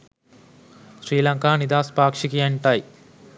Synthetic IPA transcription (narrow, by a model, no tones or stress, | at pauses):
ʃɾiːlɐŋkaːnid̪aːspaːkʂikieɳʈaːji